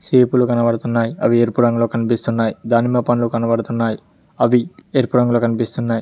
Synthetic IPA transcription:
seːpulukɐnɐʋɐɽɐt̪unːaːjiɐ̰ʋieɾpuɾɐŋɡloːkɐnipist̪unːaːjid̪aːnimɐpɐnlukɐnɐʋɐɽɐt̪unːaːji | ɐʋieɾpuɾɐŋɡloːkɐnipist̪unːaːji

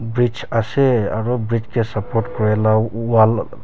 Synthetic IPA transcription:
bɹit͡ʃasɛaɹubɹit͡ʃkɛsapɔɾʈkɔɹɛlaal

